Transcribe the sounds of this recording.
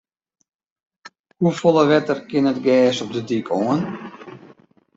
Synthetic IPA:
hufolˠəʋɛtərkɪnətɡɛːsɔp̚dədikʰoən

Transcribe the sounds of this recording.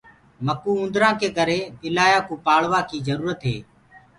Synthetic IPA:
məkuːʊ̃nd̪ɾãːkʰeːkəɾeːpɪlaːjaːkuːpaːɭʋaːkiːzəɾuːɾət̪ɦḛː

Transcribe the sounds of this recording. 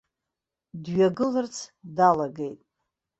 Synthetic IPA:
dɥaɡɨlɨrt͡sʰdalaɡejtʼ

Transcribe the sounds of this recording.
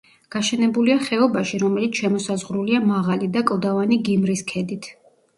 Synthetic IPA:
ɡ̥aʃɛnɛbuliaχɛɔbaʃiɾɔmɛlit̪sʃɛmɔsazʁɾuliamaʁalid̪akʼlˠd̪avaniɡimɾiskʰɛd̪it̪ʰ

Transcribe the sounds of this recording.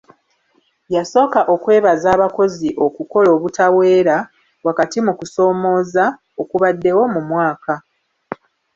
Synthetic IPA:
jaso̞ːkaʔo̞kwe̞ːβazaːβako̞ziʔo̞kuko̞lo̞ːβutawe̞ːɾa | wakatimukuso̞ːmo̞ːza | okuβadːe̞wo̞mumwaːka

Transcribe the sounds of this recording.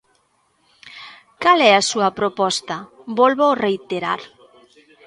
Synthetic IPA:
kalɛɐsuɐpɾopɔst̪ɐbolβorejt̪eɾa̰ɾ

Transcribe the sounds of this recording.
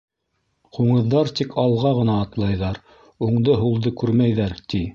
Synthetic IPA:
quɴɤ̆ðːɑɾt̪ikʰɑlˠʁɑʁɤ̆nɑːt̪lˠɑjðɑɾ | uɴd̪ɤɦulˠd̪ɤkʉɾmæjðæɾt̪i

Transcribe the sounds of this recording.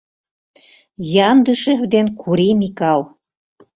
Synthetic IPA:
jɑnd̪əʃĕd̪enkʰuɾimikɑl

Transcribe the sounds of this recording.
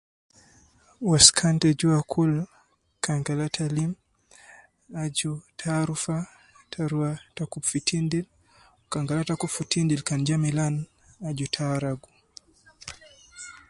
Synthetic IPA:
waskʰantɛd͡ʒuakʰul | kaŋɡalatʰalim | ad͡ʒutʰaɾufa | tʰaɾuatakupfitʰindil | kaŋɡalatakupfutindilkand͡ʒamilan | ad͡ʒutʰaɾaɡu

